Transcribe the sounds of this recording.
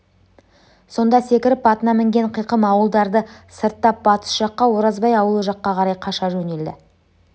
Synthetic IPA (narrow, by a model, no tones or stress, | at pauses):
so̞nd̪ɑse̞kʲɪɾɪpːɑt̪ənɑmɪŋɡʲe̞ɴqʰijqəmɑwəlˠd̪ɑɾd̪əsəɾt̪ːɑp̚b̥ɑt̪ə̥sʒɑqːɑwo̞ɾɑzbɑjɑwəlˠəʒɑqːɑqʰɑɾɑjqʰɑʃɑʒɵne̞ld̪ɪ̰